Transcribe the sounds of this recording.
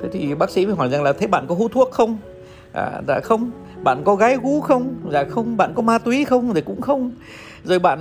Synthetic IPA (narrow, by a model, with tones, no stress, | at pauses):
t̪ʰe˨˦t̪ʰi˨˩ɓaː˦˥k̚sḭ˧˥və˨˩ɦɔ˧˩jza˨˩ŋlaː˨˩t̪ʰe˨˦ɓa̰ː˧˨kɔ˨˦ɦu˧˦t̪ʰu˦˥ək̚xə˧wŋ͡m | ʔa̰ː˨˩za̰ː˧˨xə˧wŋ͡m | ɓa̰ː˧˨nkɔ˨˦ɣaː˨˦jɣu˨˦xə˧wŋ͡mzaː˨xə˧wŋ͡mɓa̰ː˧˨nkɔ˨˦maː˧t̪wi˨˦xə˧wŋ͡mzə˨˩jkʊ̰˧˥ŋ͡mxə˧wŋ͡m | zo˨˩jɓa̰ː˧˨n